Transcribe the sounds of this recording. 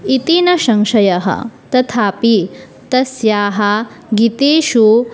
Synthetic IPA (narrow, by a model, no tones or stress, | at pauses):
it̪inɐʃɐŋʃɐjɐɦɐ̰t̪ɐt̪ʰaːpi | t̪ɐsjaːɦɐ | ɡit̪eːʃu